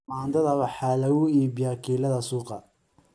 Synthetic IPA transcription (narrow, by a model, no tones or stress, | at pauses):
maːnd̪ɐðɐwɑħalɐʊiːbɪjaːkʰiːlɐðɐsuːqɑ̰